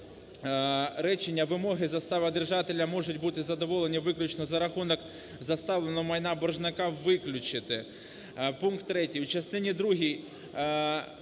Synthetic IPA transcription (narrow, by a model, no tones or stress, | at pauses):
ɾɛt͡ʃenʲːɐʋɪmɔɦɪzɐst̪aʋɪd̪erʒɑt̪elʲːɐmɔʒʊtʲbut̪ɪzɐd̪ɔʋɔlˠenʲiʋɪklʲʊt͡ʃnɔzɐɾɐxunɔk | zɐst̪ɑʋlˠenɔmɐjnabɔrʒnɐkaʋɪklʲʊt͡ʃɪt̪ɪ | punkt̪ːɾɛtʲijut͡ʃɐst̪ɪnʲid̪ɾuɦʲij